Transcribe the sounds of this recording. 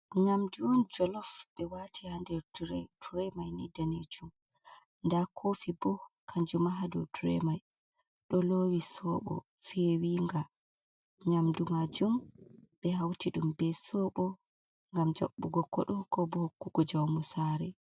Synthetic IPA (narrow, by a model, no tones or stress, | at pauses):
ɲamduwɔnd͡ʒɔlɔfɓɛwatʰihandɛɾtɾɛtuɾɛmajnidaned͡ʒum | ndakʰoːfibɔkʰaɲd͡ʒumaɦadɔ̰tuɾɛ̰maj | ɗɔlowisɔɓɔ̰ | fɛwiŋɡa | ɲamdumad͡ʒumɓɛɦawtiɗumbɛsɔɓɔ | ŋɡamd͡ʒɔ̰ɓːuɡɔkːɔ̰ɗɔkɔbɔhokːuɡɔd͡ʒawmusaɾɛ